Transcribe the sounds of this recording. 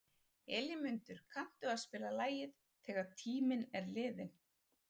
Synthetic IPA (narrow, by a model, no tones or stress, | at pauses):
ɛljɪmʏnt̪ʏɾ̥kʰan̥t̪ʏaðspɪːlalaːjɪð | θɛːɣaɾt̪ʰiːmɪnɛɾlɪːðɪn